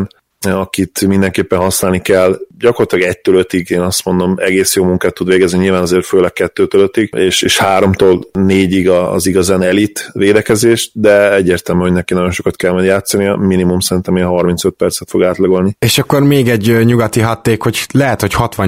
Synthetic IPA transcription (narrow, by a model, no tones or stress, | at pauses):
n | ɒkit̪mind̪ɛŋkeːpːɛnɦɒsnaːlnikɛlːɟɒkort̪lɑɡɛc̚t̪øːløt̪iɡeːnɒst̪mo̞nd̪o̞mɛ̰ɡeːsjoːmuŋkaːt̪ːud̪ʋeːɡɛzniɲilvaːnɒzeːrføːlɛk̚kɛt̪ːøːt̪øløt̪ːiɡeːʃeːʃhaːɾo̞mt̪oːlneːɟiɡɒ̰ːziɡɒzaːnɛlit̪ʋeːd̪ɛkɛzeːʃt̪d̪ɛɛɟːeːrt̪ɛlmyho̞ɟnɛkinɒɟo̞nʃo̞kɑt̪kɛlmɒjd̪jaːt̪sːɒnijɒminimumsɛɾint̪ɛmeːnɦɒrmint̪søt̪̚pɛrt̪sɛt̪fo̞ɡaːt̪lɒɡo̞lnieːʃɒkːo̞rmeːɡɛɟɲuɡɒt̪iɦɒt̪ːeːkho̞clɛɦɛt̪hochɒt̪ʋɒ